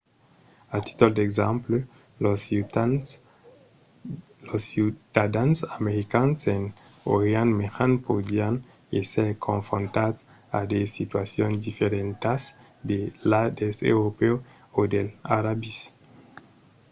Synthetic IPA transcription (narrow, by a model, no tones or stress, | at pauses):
at̪i̥t̪old̪ekzample | los | losit̪ad̪ansameɾikansen | oɾeanmeʁanpod̪ian | eseɾkʰõɱfɾõnt̪as | a̰d̪esit̪wasjõnsd̪ifeɾẽnt̪as | d̪elad̪esḛwɾopeo | od̪elaɾabis